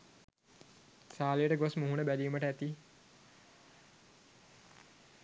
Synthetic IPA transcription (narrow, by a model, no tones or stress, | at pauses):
saːlejəʈəɡosmuɦunəbæliːməʈəæt̪i